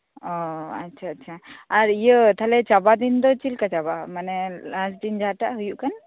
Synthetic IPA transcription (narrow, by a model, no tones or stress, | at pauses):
ɔa̰tːt͡ʃʰaːtːt͡ʃʰaaɾijət̪ʰalɛt͡ʃabad̪ind̪ɔt͡ʃilkat͡ʃabamanɛlasd̪ind͡ʒaʈaʔɦujuʔkan